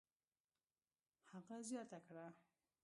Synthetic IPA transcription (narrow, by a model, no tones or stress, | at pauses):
haɣazjɑt̪akɽa